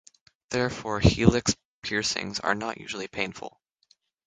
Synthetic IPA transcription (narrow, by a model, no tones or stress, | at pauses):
ðɛɹfɔɹhilˠɪks | pʰɪɹsɪ̰̃ŋzə̰˞nə̰ʔjʉ̰ʒl̩ˠipʰẽɪ̃nfl̩ˠ